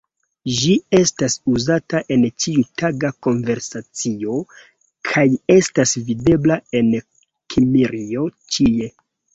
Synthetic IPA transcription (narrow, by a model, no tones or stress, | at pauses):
ʒie̞stasuzataʔe̞nt͡ʃiutʰaɡako̞nve̞ɾsat͡sio̞ | kʰaje̞stasvide̞blae̞n | kʰimiɾio̞t͡ʃie̞